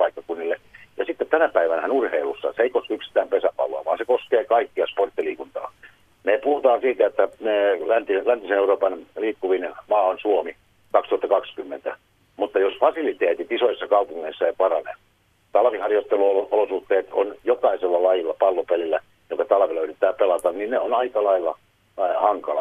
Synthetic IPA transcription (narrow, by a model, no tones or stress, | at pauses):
pɑikːɑkunːilːejɑsit̪ːett̪ænæpæiʋænæhænurheilusːɑ̰seeikoskyksi̥t̪æːmpesæpɑ̰lo̰ɑ̰ʋɑːnsekoskeːkɑikːiɑsport̪ːiliːkunt̪ɑ̰ː | neːpuhut̪ɑːsiːt̪æet̪ːænelænt̪ilænt̪iseneuroːpɑnliːkːuʋinmɑːonsuomi | kɑkst̪uhɑt̪ːɑkɑkskymːent̪æ | mut̪ːɑjosfɑsilit̪eːt̪it̪isoisesːɑkɑupuŋːeisːɑeipɑrɑnḛ | t̪ɑlʋihɑrjot̪ːeluloolosuht̪ːeːt̪o̰njokɑiselːɑlɑjilːɑpɑlːopelilːæ | jokɑt̪ɑlɑʋeløyrit̪ːæːpelɑt̪ɑnninneonɑikɑlɑilːɑ̰ | hɑŋkɑlɑ̰